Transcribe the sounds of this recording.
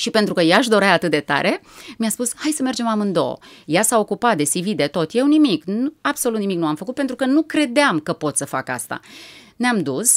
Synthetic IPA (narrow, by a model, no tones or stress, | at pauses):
ʃipe̞nt̪ɾukəjaʃd̪o̞ɾaat̪ɨt̪̚d̪e̞t̪a̰ɾʔe̞miaspushajsəme̞rd͡ʒe̞mamɨnd̪o̞̰o̰jasao̞kupat̪̚d̪e̞sivid̪e̞t̪o̞t̪je̞wnimiknuab̥solut̪nimiknuamfəkut̪̚pent̪ɾukənukɾe̞d̪eamkəpo̞t̪səfa̰ka̰st̪a̰neamd̪us